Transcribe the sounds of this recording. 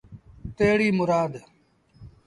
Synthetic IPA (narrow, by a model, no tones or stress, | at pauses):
t̪eːɽiːmʊɾaːd̪